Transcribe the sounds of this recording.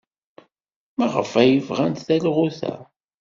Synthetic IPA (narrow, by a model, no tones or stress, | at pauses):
mæʁə̰fæjəvʁænt̪θælʁuθæ̰